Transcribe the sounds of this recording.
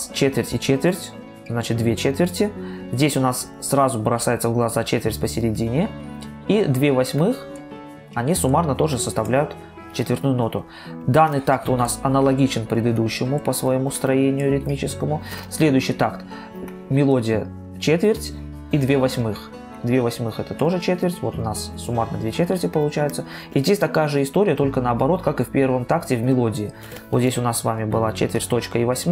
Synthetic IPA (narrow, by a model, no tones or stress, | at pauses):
st͡ɕet̪vʲɪrtʲɪt͡ɕet̪vʲɪrtʲ | znat͡ɕɪt̪̚d̪vʲet͡ɕet̪vʲɪrtʲɪzʲdʲesʲʊnasːrazʊbɾɐsajɪt̪səvɡlˠɐzat͡ɕet̪vʲɪrtʲpəsʲɪɾʲɪdʲinʲɪ | id̪vʲevɐsʲmɨx | ɐnʲisʊmarnət̪o̞ʐɨsəst̪ɐvlʲæjʊt̪ | t͡ɕet̪vʲɪrt̪nujʊno̞t̪ʊ | d̪anːɨjt̪ak̚t̪ʊnasɐnəlˠɐɡʲit͡ɕɪnpɾʲɪd̪ɨd̪uɕːɪmʊpəsvɐjɪmust̪ɾɐjenʲɪjʊɾʲɪt̪mʲit͡ɕɪskəmʊsʲlʲe̞d̪ʊjʉɕːɪjt̪akt̪ | mʲɪlˠo̞dʲɪjə | t͡ɕet̪vʲɪrʲtʲ | id̪vʲevɐsʲmɨx | d̪vʲevɐsʲmɨxɛt̪ət̪o̞ʐɨt͡ɕet̪vʲɪrtʲvo̞t̪ʊnasːʊmat̪nɐ̰d̪vʲet͡ɕet̪vʲɪrʲtʲɪpəlˠʊt͡ɕæjɪt̪sə | izʲdʲesʲt̪ɐkajəʐɨɪst̪o̞ɾʲɪjət̪o̞lʲkənəɐbɐɾo̞t̪kakɨfʲpʲe̞rvəmt̪aktʲɪvmʲɪlˠo̞dʲɪː | vot̪zʲdʲesʲʊnasːvamʲɪbɨlˠat͡ɕet̪vʲɪrʲtʲt̪o̞t͡ɕkəivɐsʲm